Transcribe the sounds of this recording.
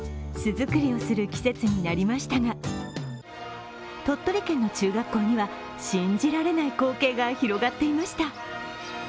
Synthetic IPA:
sɨzɨkɯ̟ɾʲio̞sɨɾɯ̟kʲi̥se̞t͡sɨɲ̟inaɾʲimaɕi̥t̪aɡa | t̪o̞t̪ːo̞ɾʲikẽ̞nːo̞t͡ɕɨːɡakːo̞ːɲ̟iβa | ɕĩɲd͡ʑiɾaɾe̞naiko̞ːke̞ːɡaçiɾo̞ɡat̪ːe̞imaɕi̥t̪a

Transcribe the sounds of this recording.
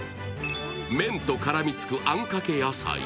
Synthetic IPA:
mẽ̞nt̪okaɾamʲit͡sɨ̥kɯ̟ʔãŋkake̞jasa̰ḭ

